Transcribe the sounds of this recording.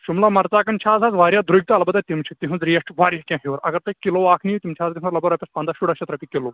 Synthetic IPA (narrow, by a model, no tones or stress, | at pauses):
ʃumlamɐɾt͡saːkɐnt͡ʃʰaːd͡zaːd͡zʋaːɾʲjad̪ɾujɡ̚t̪aːlbɐd̪at̪imt͡ʃʰit̪iɦɐ̃zɾijesʈʋaːɾjɐkʲãːɦiʋɐɾɐ̰ɡɐɾt̪ɐkiloʋaːkʰnijit̪imt͡ʃʰaːzɡɐnɐɾlɐbɐɾɐːpʲɐspãːnd̪aːʃuɽɐʃɐt̪ɾɐpʲikːeloː